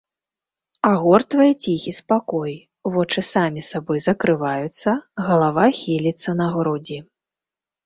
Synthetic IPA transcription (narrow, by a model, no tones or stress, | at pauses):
aɣɔrt̪vajɛt͡sʲixʲispakɔj | vɔt͡ʂɨsamʲisabɔjzɐkɾɨvajut̪sːɐɣɐlˠavaxʲilʲit̪sːɐnɐɣɾɔd͡zʲi